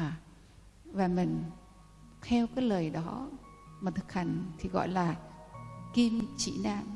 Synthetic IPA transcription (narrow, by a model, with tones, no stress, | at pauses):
vaː˨˩mï˨˩ŋ̟ | t̪ʰɛ˧wkaː˨˦jləː˨˩jɗɔ˨˦ | maː˨˩t̪ʰɨ˨˩k̚ha˨˧˩jŋ̟t̪ʰi˨˩ɣɔ̰˧˨jlaː˨˩ | ki˧mt͡ɕḭ˧˩naː˧m